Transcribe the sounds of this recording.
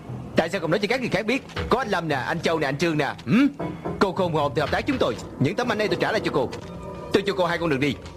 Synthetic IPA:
t̪a̰ː˧˨jsaː˧kɔ̰˧˨ŋ͡mnɔ˨˦jt͡ɕɔ˧kaː˦˥ŋɨ˨˩jxaː˦˥k̚ɓi˦˥ət̚kɔ˨˦ʔa˧ŋ̟lə˧mnaː˨˩ʔa˧jŋ̟t͡ɕə˧wna˨˩a˧jŋ̟t͡ɕɨ˧əŋna̰ː˨˩ʔ̩˨˩mko˧xo˧m̰˨˩˨ŋ͡mt̪i˨˩˨p̚t̪ːk̚t͡ɕʊ˨˦ŋ͡mt̪o˧j | ɲɨ̰˧˥ŋt̪ʰə˨˦ma˧jnɗə˧t̪o˧jt͡ɕaː˧˩la̰ː˨t͡ɕɔ˧ko˧ | t̪o˧jt͡ɕɔ˧ko˧ɦaː˧jkɔ˧nɨ̰˨˩ək̚ɗi˧

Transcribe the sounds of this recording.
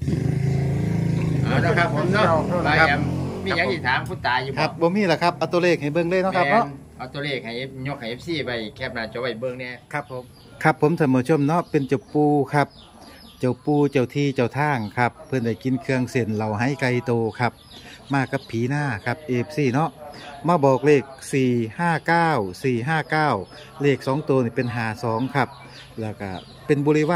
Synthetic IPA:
ʔaː˧˨na˧˨˧kʰa˧pʰːo˨˦˧a˧˨a˧a˧mmi˧˨aː˨˧˦k̪iː˧˩t̪ʰaː˨˦mpʰu˧˩t̪ːaː˨˦juː˧ka˧˦p̚bɔː˧˦miː˧˥˨lɛ˧˩kʰa˧˩p̚ʔa˧t̪oː˧leː˧˩k̚ha˨˩jbɤ˧˨ŋlɤː˧˥˨nɔ˧˥kʰa˧ɛ˧nɔ˧˥˨ʔa˧˩˨t̪o˧˨leː˧˩k̚ha˨˩j̚ɲo˧˥k̚ha˨˩jʔe˧p̚siː˧˩ba˧˩jkʰɛː˧˩p̚naː˧˩t͡ɕɔ˧˦ba˧˩jbɤ˧˨ŋni˧˩˨kʰa˦˧pʰːo˨˦m | kʰa˧pʰːo˨˦mt̪ʰa˧˩nmɔː˧˩t͡ɕʰo˧˥˨mnɔ˦˧˥pe˧˨nt͡ɕa˨˧˩puː˧kʰa˧˩p̚ | t͡ɕa˨˩wpuː˧t͡ɕa˨˩wt̪ʰiː˧˨t͡ɕa˨˩wt̪ʰaː˧˥˩ŋkʰa˧pʰːɤ˧˥˨nda˧˩jki˧˨nkʰɯ˧əŋse˧˩nla˨˩wɦa˧˥˨jka˧jt̪oː˧kʰa˧˩p̚maː˧˩ka˧pʰːiː˨˦naː˧˩kʰa˧p̚ʔeː˧p̚siː˧˩nɔ˧˥ʔmaː˧˩bɔː˨˩k̚leː˧˩k̚siː˨˩haː˧˥˩kaː˧˩wsiː˨˩ɦaː˧˩˨kaː˧˩w | leː˧˩k̚sɔː˨˦ŋt̪oː˧niː˧pe˨nɦaː˨˩sɔː˨˦ŋkʰa˧˩p̚ | lɛː˧˩ka̰˧˩ | pe˧˨nbuː˧li˧waː˧˨

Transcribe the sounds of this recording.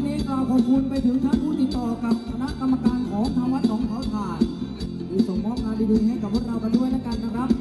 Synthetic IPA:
miː˧˥klaː˨˩pʰo˨˩p̚kʰu˧npa˧jt̪ʰɯ˨˩˦ŋt̪ʰaː˥˩npʰuː˥˩t̪i˨˩t̪ːɔː˨˩ka˨˩p̚kʰa˧na˦˥ʔka˧mːa˧kaː˧nkʰɔː˩˦ŋt̪ʰaː˧ŋwa˦˥t̪̚lɔː˩˦ŋpʰa˨˦˥wt̪ʰaː˨˩j | duː˨˧˩so˨˩ŋmɔː˦˥˩k̚naː˧diː˧dɯː˧nha˥˩jka˧˩pʰu˥ə˩kɾa˧wka˧ndu˥˩əjnlaː˦˥ka˧nːa˦˩kʰɾa˦˥p̚

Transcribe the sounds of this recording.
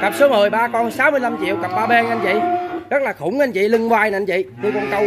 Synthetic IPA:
ka˨˩p̚sɨ˨˦əmɨː˨˩əjɓaː˧kɔ˧nsaː˨˦wmɨ˧əjla˧mt͡ɕḭ˧˨əwɣa˨˩p̚ɓaː˧ɓe˧nʔa˧ŋvḭ˧˨zə˦˥laː˨˩xʊ˧˩˦wŋ͡mʔa˧jn̟vḭ˧˨li˧ŋɓwaː˧ja˧jɲvḭ˧˨ɲɨ˧kɔ˧nkə˧w

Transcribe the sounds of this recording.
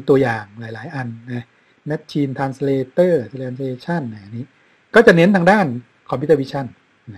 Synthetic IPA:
t̪u˧ɐjaː˨˩ŋlaː˩˦jlaː˩˦jʔa˧nːa˦˥ | na˦˥t̚t͡ɕʰiː˧nt̪ʰaː˧nsleː˧t̪ɤː˥˩seː˧˩sleː˧t͡ɕʰa˥˩nna˧˩jʔa˨˩niː˦˥ | kɔː˥˩t͡ɕa˨˩ne˦˥nt̪ʰaː˧ŋdaː˥˩n | kʰɔː˧mpʰi˦˥t̪ːwi˦˥t͡ɕʰa˥˩n˦

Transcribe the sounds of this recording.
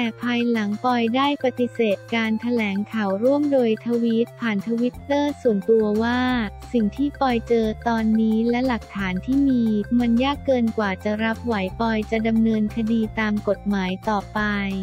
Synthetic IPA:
t̪ɛː˨˩pʰa˧jla˩˦ŋpɔ˧jdaː˥˩jpa˧t̪i˨˩seː˨˩t̪̚kaː˧nt̪ʰa˧lɛː˩˦ŋkʰa˨˩wɾu˥˩əmdoː˧jt̪ʰa˧wi˦˥t̪̚pʰaː˨˩nt̪ʰa˧wi˦˥t̪ːɤː˥˩su˨˩ənt̪u˧ɐwaː˥˩ | si˨˩ŋt̪ʰiː˥˩pɔ˧jt͡ɕɤː˧t̪ɔː˧nːiː˦˥lɛ˦˥la˨˩k̚t̪ʰaː˩˦nt̪ʰiː˥˩miː˧ma˧njaː˥˩kːɤː˧nkwaː˨˩t͡ɕa˨˩ɾa˦˥p̚wa˩˦jpɔ˧jt͡ɕa˨˩da˧mnɤː˧nkʰa˧diː˧t̪aː˧mko˨˩t̪̚maː˩˦jt̪ɔː˨˩pa˧j

